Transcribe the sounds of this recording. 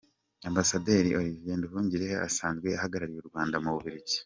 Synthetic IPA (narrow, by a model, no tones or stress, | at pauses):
ambasade̞ːɾioɾivenduɦuːɲɟiɾea̰saːnzɡwe̞aɦaɡaɾaɾijuɾɡwaːndamuβuβiɾiɟi̥